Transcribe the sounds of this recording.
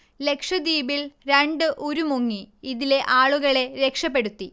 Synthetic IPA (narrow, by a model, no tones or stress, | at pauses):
le̞kʂɐd̪iːbilɾeɳɖɨʔoɾumoŋːiiðile̞ʔaːɭuɣɐɭe̞ɾe̞kʂɐpːe̞ɽut̪ːi